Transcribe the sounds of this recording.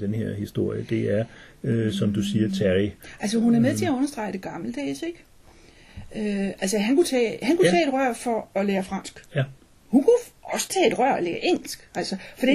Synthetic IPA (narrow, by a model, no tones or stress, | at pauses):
d̥enheɐ̰hisd̥o̝ɐ̰jəd̥e̝æɐ | øsɒ̽md̥usiːɐt͡sʰæʁiʔæls̬əɦunæɐmeðˠt͡sʰe̝æɔ̽nɐsd̥ʁɑ̈ɪd̥e̝ɡ̥ɑ̈ml̩d̥ɛ̰ːseɡ̥ | øælsəɦænkut͡sʰɛ̰ːhænkut͡sʰɛ̰ːe̝dʁɶɐ̰fɒ̽ɒ̽leːɐfʁɑ̈n̰sɡ̥ | hunkuɒ̽sə̥t͡sʰɛ̰ːe̝d̥ʁɶɐ̰ɒleːɐʔeŋ̰l̩sɡ̥ælsəfɒ̽d̥i